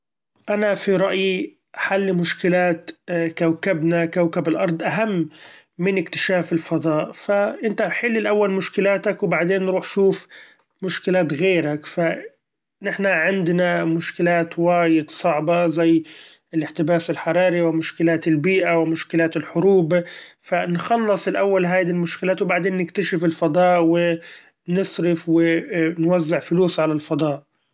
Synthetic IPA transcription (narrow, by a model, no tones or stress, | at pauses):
ʔanafiɾˤɑʔji | ʔaħalːimʊʃkɪlaːt̪kawkabnakawkabɪlʔɑɾˤd̪ˤʔaɦamː | ɪnɪkt̪ɪ̥ʃaːfɪlfɑd̪ˤɑːʔfaʔɪnt̪aħɪlːɪlʔawːalmʊʃkɪlaːt̪akwbaʕd̪eːnːɾuːħʃuːf | mʊʃkɪlaːt̪ɣeːɾakfa | nɪħnaʕɪnd̪namʊʃkɪlaːt̪waːjɪd̪sˤɑʕbɑzajː | ɪlɪħt̪ɪbaːsɪlħɑɾˤɑːɾiwɪmʊʃkɪlaːt̪ɪlbiːʔawɪmʊʃkɪlaːt̪ɪlħʊɾuːbfanxɑlːɨsˤɪlʔawːalɦaːd̪ilmʊʃkɪlaːt̪wbaʕd̪eːnːɪkt̪aʃɪfɪlfɑd̪ˤɑːʔwɪ | nɪsˤɾɪfwɪnwazːɪʕfʊluːsʕalalfɑd̪ˤɑːʔ